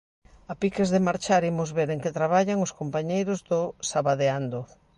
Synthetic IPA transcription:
apikezðɪmaɾt͡ʃaɾimʊzβeɾeŋkɪt̪ɾaβaʎaŋʊskompaɲejɾʊzðʊsaβaðeand̪o

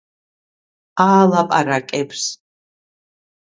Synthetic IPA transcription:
aːlapʼaɾakʼɛbs

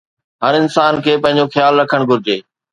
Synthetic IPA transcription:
ɦɐɾɪnsaːnkʰeːpɐ̃ɦɪ̃ɲ̆d͡ʑoxjaːlɾɐkʰəɽ̃ɡʱʊɾɪd͡ʑeː

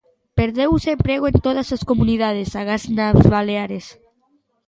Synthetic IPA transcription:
peɾðewsempɾeɣoent̪oðaseskomuniðað̞esaɣ̞aznaβaleaɾes

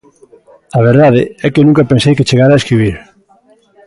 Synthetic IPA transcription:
ɐβ̞eɾðaðeɛkenũŋkapensejket͡ʃeɣaɾaeskɾiβ̞iɾ

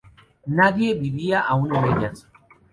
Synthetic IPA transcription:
naðjebiβiaʔaunemeʎas

